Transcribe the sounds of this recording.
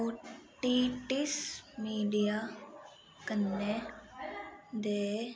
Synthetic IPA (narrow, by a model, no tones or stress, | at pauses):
ʈiʈismiːɖija | kənːe | d̪eː